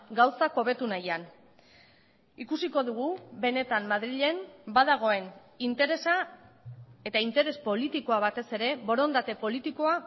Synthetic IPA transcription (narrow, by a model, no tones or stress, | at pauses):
ɡawsako̞βe̞t̪unajan | ikusiko̞ðuɣ̞ube̞ne̞t̪amːaðɾiʎe̞mbaðaɣ̞o̞e̞n | int̪e̞ɾesa | et̪aint̪e̞ɾe̞spo̞lit̪iko̞aβ̞at̪e̞se̞ɾe̞βo̞ɾo̞nd̪at̪e̞po̞lit̪iko̞a